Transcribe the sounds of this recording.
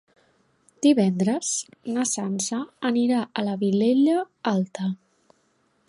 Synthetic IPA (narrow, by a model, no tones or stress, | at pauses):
d̪̥iβɛnd̪ɾəznəsansəːniɾaʔələβileʎə | alˠt̪ə